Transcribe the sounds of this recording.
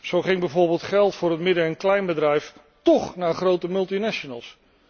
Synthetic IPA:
z̥owχɪŋbɛjvʊːɹbɪːlˠtχɛlˠtfʊːɹɦətmɪdəɛnklɛjnbədrɛjf | tɔχnaːχrowtəmɵlˠtinaʃonə̰lˠs

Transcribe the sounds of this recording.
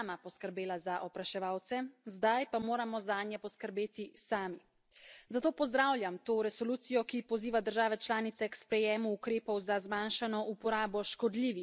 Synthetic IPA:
mapɔskəɾbeːlazaʔɔpɾaʃɛʋaːwt̪sɛzd̪ajpamoːɾamɔzaːnjɛpɔskəɾbeːt̪isaːmi | zat̪oːpɔzd̪ɾawlʲjamt̪oːɾɛsɔluːt̪sijɔkipɔziːʋad̪əɾʒaːʋɛt͡ʃlaːnit̪sɛkspɾɛjeːmuːkɾeːpɔwzazmanʃanɔʔupɔɾaːbɔʃkɔd̪liːʋix

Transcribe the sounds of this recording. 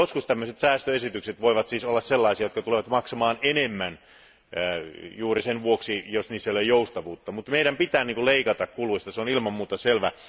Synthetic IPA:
oskust̪æmːøset̪sæːst̪øesit̪ykset̪ʋoiʋɑt̪siːsolːɑsselːɑisijɑjot̪kɑt̪uleʋɑt̪mɑksɑmɑːnenemːæn | juːrisenʋuoksijosniːsːæolejoust̪ɑʋuːt̪ːɑmut̪meiɾæmpit̪æːniːŋkuleikɑt̪ɑkkuluist̪ɑseonilmɑmmuːt̪ɑselʋæ

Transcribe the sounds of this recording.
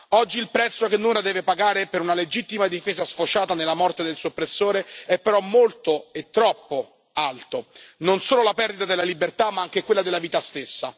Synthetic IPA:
ɔd͡ʒːiːlpɾɛt̪sːokenːunlad̪ɛːvepaɡaːɾepeɾunaled͡ʒit̪ːimad̪ifeːzasfot͡ʃaːt̪anelːamɔrt̪ed̪elsopːɾesːoːɾeɛpːeɾɔmːolt̪oet̪ːɾɔpːo | alt̪ononsoːlolapɛrd̪it̪ad̪elalibert̪amːaaŋk̟ekwelːad̪elːaviːt̪ast̪esːa̰

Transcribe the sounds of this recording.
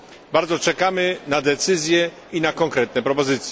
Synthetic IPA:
baɾd̪zɔt͡ʂɛkamɘnad̪ɛt̪sɘzʲjɛ | inakɔŋkɾɛt̪̚nɛpɾɔpɔzɘt̪sʲjɛ

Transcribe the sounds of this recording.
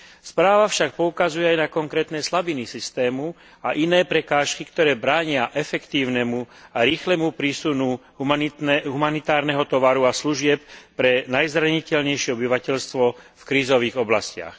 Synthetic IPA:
spɾaːʋafʃak̚pɔukazujɛajnakɔŋkɾɛːt̪nɛslabinisist̪ɛːmu | aʔinɛːpɾɛkaːʃkikt̪ɔɾɛːbɾaːɲɪaʔɛfɛkt̪iːʊnɛmuaɾiːxlɛmupɾisunu | ɦumanit̪aːɾnɛɦɔt̪ɔʋaɾuasluʒɪɛp̚pɾɛnajzɾaɲicɛʎɲɛjʃɪɛɔbiʋacɛʎst̪ʋɔfkɾiːzɔʋiːɣɔblascɪa̰x

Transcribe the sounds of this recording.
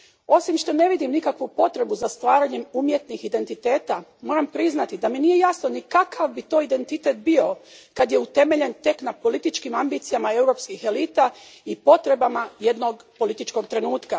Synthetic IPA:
o̞simʃt̪o̞ne̞ʋid̪imnikakʋupo̞t̪ɾe̞buzast̪ʋaːɾaɲe̞mumje̞t̪nixid̪e̞nt̪it̪e̞ːt̪amo̞ɾampɾiznat̪id̪aminije̞jasnonikakaʋbit̪o̞ːid̪e̞nt̪it̪e̞t̪̚bio̞kad̪je̞ut̪e̞me̞ʎe̞nt̪e̞knapo̞lit̪it͡ʃkimambiːt̪sijamae̞wɾo̞ːpskixe̞lit̪aipo̞t̪ɾe̞bamaje̞d̪noɡ | po̞lit̪it͡ʃko̞ɡt̪ɾe̞nuːt̪ka

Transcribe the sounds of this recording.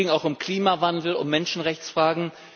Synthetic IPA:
ɪŋaʊxʊmkl̥iːmavandl̩ʊ̰mːɛnʃn̩ʁɛçt͡sfʁ̥aːɡŋ̩

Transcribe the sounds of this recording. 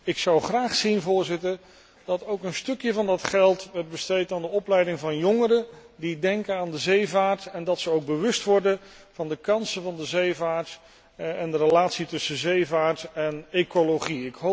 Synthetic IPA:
ɪksɑwχraːχsinvʊːɹzɪtəɹ | dɑtowkənstɵkjəvɑndɑtχɛlˠtʋɛɹt̚bəstejtaːndəɔplɛjdɪŋvɑnjɔŋəɾə | didɛŋkənaːndəzejvaːɹtɛndɑtsəowɡ̚bəʋɵstʋɔɹdə | v̥ɑndəkɑnsəvɑndəzejvaːɹt | ɛndərəlaːtsitɵsəzejvaːɹtɛnejkoloχiɪkɦo

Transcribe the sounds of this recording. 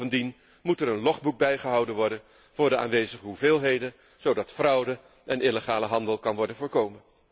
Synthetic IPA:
vəndin | mutɛɾənlɔχbuɡ̚bɛjχəɦɑwdənʋɔɹdən | v̥ʊːɹdəa̰ːnʋejzəχəɦuvɪːlˠɦejdən | z̥owdɑtfrʌwdə | ʔɛnʔɪləχaːləɦɑndəlˠkɑnʋɔɹdənvʊːɹkowmən

